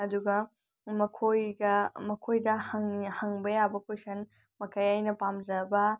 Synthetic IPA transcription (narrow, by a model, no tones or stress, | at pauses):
ɐduɡɐ | mɐkʰojɡɐmɐkʰojdɐhɐŋhɐŋbɐjabɐkojsɐn | mɐkʰɐjɐjnɐpamd͡ʒɐbɐ